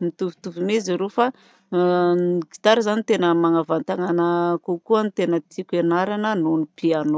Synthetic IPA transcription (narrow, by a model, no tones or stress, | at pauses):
mit̪uvut̪uvimezaɾofa | ki̥t̪aɾizanit̪enəmaŋavant̪aŋanakokuanit̪enət̪ikʲenaɾanənonipiano